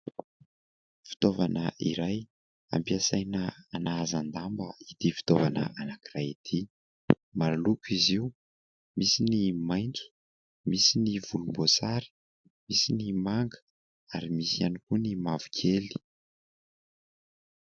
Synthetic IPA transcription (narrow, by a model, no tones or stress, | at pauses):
fi̥t̪ovanəʔiɾaj | a̰mpiasajnəanaazand̪ambə̰id̪̥ifi̥t̪ovanə̰anakirajid̪̥ʰi | maɾalukuiziu | misinimajnt͡su̥ | misiniv̥ulumbosaɾi̥ | misinimaŋɡə̥ | aɾimisianikunimavu̥kʰeli̥